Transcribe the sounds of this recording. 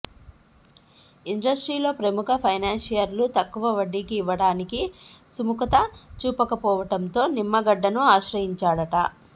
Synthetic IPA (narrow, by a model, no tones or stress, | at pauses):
iɳɖɐsʈɾiːlo̞ːpɾɐmukʰɐpʰɐjnaːnʃijɐɾlut̪ɐkːuʋɐʋɐɖːikiːʋːɐɽaːnikisumukɐt̪ɐt͡ʃuːpɐkɐpɔːʋɐʈɐnt̪o̞ːnimːɐɡɐɖːɐnuaːʃɾɐjiɲt͡ʃaːɽɐʈɐ